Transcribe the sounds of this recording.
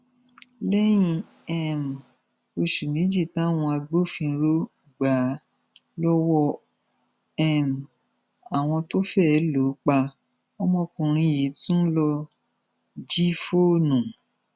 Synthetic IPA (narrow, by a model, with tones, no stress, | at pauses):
lɛ˦j̃ĩ˧˨ | ɛ˨m˨ | o˧ʃu˨mĩ˨˦d͡ʒi˦˨tã˨˦˨w̃ɔ̃˧a˧ɡ͡bo˦˨fĩ˧˦ɾo˦˨ɡ͡ba˨˦ | lɔ˦wɔ˧ | ɛ˦˨m˨ | a˨w̃ɔ̃˧to˦fɛ˦˨ɛ˨˦lo˨˦k͡pa˧ | ɔ˧mɔ̃˧kũ˧˨ɾ̃ĩ˧˦ji˨˦tũ˦lɔ˧ | d͡ʒi˦fo˦˨nũ˨